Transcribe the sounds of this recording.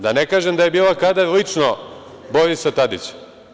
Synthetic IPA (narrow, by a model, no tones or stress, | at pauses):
d̪anekaːʒemd̪aje̞biːlakad̪alit͡ʂno | boɾisat̪ad̪it͡ɕ